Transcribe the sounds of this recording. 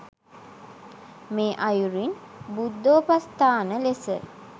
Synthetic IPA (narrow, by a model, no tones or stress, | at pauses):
meːʔajuɾinbud̪ːoːpast̪aːnəlesə̰